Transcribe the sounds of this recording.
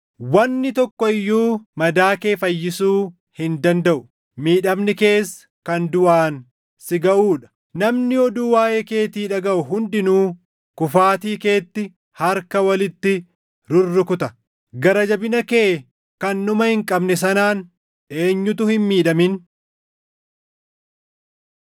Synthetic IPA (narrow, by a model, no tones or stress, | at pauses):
wɐnːɪt̪ɔkːɔɪjːuːmɐd̪aːke̞ːfɐjːɪsuː | hɪnd̪ɐnd̪ɐʔʊ | miːᶑɐmnɪke̞ːsːɐkɐnd̪ʊʔaːn | sɪɡɐʔuːᶑɐ̥ | nɐmnɪɔd̪uːwaːjeːke̞ːt̪iːᶑɐɡɐʔʊɦʊnd̪ɪnuː | kʊfaːt̪iːke̞ːt̪ːɪ | hɐɾkɐwɐlɪt̪ːɪ | ɾʊrːɪkʊt̪ɐ | ɡɐɾɐd͡ʒɐbɪnɐkeː | kɐnːʊmɐhɪŋkʼɐbnɛs̬ɐnaːn | e̞ːɲːʊt̪ʊhɪnmiːᶑɐmɪn